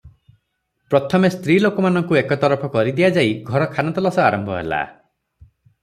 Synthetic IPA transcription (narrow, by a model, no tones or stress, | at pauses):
pɾɔt̪ʰɔmest̪ɾilokɔmanɔŋkuekɔt̪ɔɾɔpʰɔkɔɾid̪ijad͡ʒaiɡʱɔɾɔkʰanɔt̪ɔlɔsɔaɾɔmbʱɔɦḛla̰